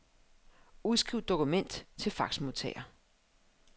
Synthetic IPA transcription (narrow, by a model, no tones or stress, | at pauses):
uðˠsɡ̥ʁiʊ̰ð̥ˠo̝kʰumen̰d̥t͡sʰe̝lfɑ̈ɡ̥smot͡sʰɛ̰ːɐ